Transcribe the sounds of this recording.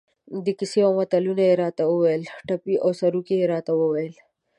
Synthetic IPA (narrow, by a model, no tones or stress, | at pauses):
d̪əkisiãwɐt̪alunajeɾɑt̪awəwɐjəlʈapiʔawsɐɾukijeɾɑːt̪awəwɐjəl